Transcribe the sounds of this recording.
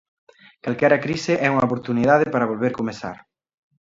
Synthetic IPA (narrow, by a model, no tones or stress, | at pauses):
kalkɛɾɐkɾisɪʔɛuŋɐopoɾt̪uniðaðeɪpaɾɐβ̞olβeɾkomesa̰ɾ